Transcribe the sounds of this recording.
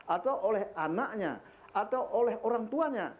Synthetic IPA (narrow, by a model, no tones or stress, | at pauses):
at̪auʔolɛhanaʔɲa̰ | at̪auʔolɛɦoɾaŋt̪uaɲa̰